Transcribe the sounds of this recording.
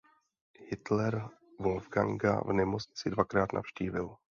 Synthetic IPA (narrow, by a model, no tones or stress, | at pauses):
hɪt̪lɛɾ | volvɡa̰ŋɡa̰vnɛmot͡sɲɪt͡sɪdvakɾaːt̪nʔa̰fʃciːvɪl